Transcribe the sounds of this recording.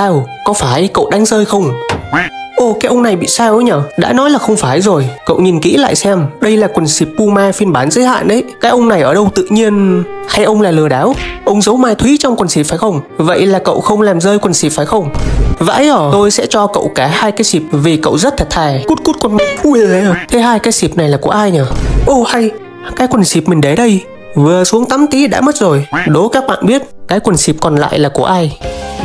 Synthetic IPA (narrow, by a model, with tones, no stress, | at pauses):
aː˧wkɔ˨˦faː˧˩jkə̰˧˨wɗa˨˦ŋzəː˧jxə˧wŋ͡m | ʔo˨˧˩kaː˨˦jʔə˧ŋ͡mna˨˩jɓḭ˧˨saː˧wə˧˦jɲəː˨˩ɗa̰ː˧˥nɔ˨˦jlaː˨˩xə˧wŋ͡mfaː˧˩jzo˨˩jkə̰˧˨wɲi˨˩nkḭ˧˥la̰ː˧˨jsɛ˧mɗə˧jlaː˨˩kwə˨˩nsi˨˩p̚ːu˧maː˧fi˧ənɓaː˨˦nzə̰˧˦jha̰ː˧˨nɗə˨˦jkaː˨˦jʔə˧wŋ͡mna˨˩jʔəː˧˩ɗə˧wt̪ɨ̰˧˨ɲi˧ənhaː˧jʔə˧wŋ͡mlaː˨˩lɨ˨˩əɗaː˨˦wʔə˧wŋ͡mzə˨˦wmaː˧t̪ʰwi˨˦t͡ɕɔ˧wŋ͡mkwə˨˩nsi˨˩p̚faː˨˦jxə˧wŋ͡mvə̰˧˨jlaː˨˩kə̰˧˨wxə˧wŋ͡mlaː˨˩mzəː˧jkwə˨˩nsi˨˩p̚faː˨˦jxə˧wŋ͡mva̰ː˧˥jʔəː˧˩t̪o˧jsɛ̰˧˥t͡ɕɔ˧kə̰˧˨wkaː˧˩haː˧jkaː˨˦jsi˨˩p̚vi˨˩kə̰˧˨wzə˦˥t̚t̪ʰə˨˩t̚t̪ʰaː˨˩jku˦˥t̚ku˦˥t̚kɔ˧˩nma˧˩˧ə˨˧˩t̪ʰe˨˦haː˧jkaː˨˦jsi˨˩p̚na˨˩jlaː˨˩ku˧˩əʔaː˧jɲəː˧˩ʔo˧˩ha˧j | kaː˨˦jkwə˨˩nsi˨˩p̚mï˨˩ŋ̟ɗə˨˦jɗə˧j | vɨ˨˩əsu˨˦əŋt̪a˨˦mt̪i˨˦ɗa̰ː˧˥mə˦˥t̚zo˨˩jɗo˨˦kaː˦˥k̚ɓa̰ː˧˨nɓi˦˥ət̚kaː˨˦jkwə˨˩nsi˨˩p̚kɔ˨˩nla̰ː˧˨jlaː˨˩ku˧˩əʔaː˧j